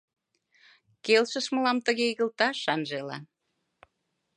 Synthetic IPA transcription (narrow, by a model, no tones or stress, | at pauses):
kelʃə̆ʃmə̆lɑmt̪əɣeiɣə̆lt̪ɑʃɑnʒelɑ̰n